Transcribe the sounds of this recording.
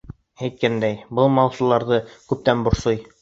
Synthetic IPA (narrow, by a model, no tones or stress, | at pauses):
æjt̪̚kænd̪æjbɤlˠmɑlˠsŭlˠɑɾðɤkʉp̚t̪ænbŏɾsoj